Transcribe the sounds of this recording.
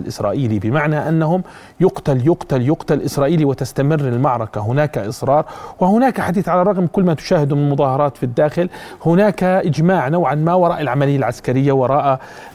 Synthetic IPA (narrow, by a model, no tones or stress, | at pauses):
lʔɪ̰sɾˤɑ̰ːʔiːlibɪmaʕnaʔanːahʊm | jʊqt̪aljʊqt̪aljʊqt̪alʔɪsɾˤɑːʔiːliwɪt̪ast̪amɪrːɪlmɑʕɾˤɑkaɦʊnaːkaʔɪsˤɾˤɑːɾˤwɪhʊnaːkaħad̪iːθʕalaˤːɑɣmkʊlːmat̪ʊ̥ʃaːhɪd̪umɪnɪlmʊðˤɑːhɑɾˤɑːt̪fid̪ːaːxɪlhʊnaːkaʔɪd͡ʒmaːʕnawʕanmawɑɾˤɑːʔalʕamalɪjːalʕaskaɾɪjːawɑɾˤɑːʔa